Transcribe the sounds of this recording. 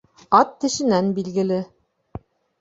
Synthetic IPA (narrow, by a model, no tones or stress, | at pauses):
ɑt̪ːɘ̆ʃɘ̆nænbilɡɘ̆lɘ